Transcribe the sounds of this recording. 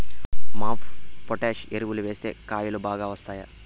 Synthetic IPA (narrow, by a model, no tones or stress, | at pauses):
maːpʰpoʈeːʂeɾuʋuluʋeːst̪e̞̰ːkaːjulubaːɡaːʋɐst̪aːja